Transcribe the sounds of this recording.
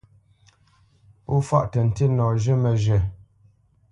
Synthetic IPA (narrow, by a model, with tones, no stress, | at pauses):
u˦fa̰˦ʔtə˨n̩˨te˦nɔ˨ʒə˦mə˨ʒə˨